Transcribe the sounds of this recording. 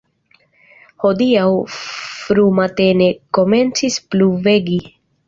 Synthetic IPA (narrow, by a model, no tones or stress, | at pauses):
ho̞diawfɾumate̞ne̞ko̞me̞nt͡sispluve̞ɡi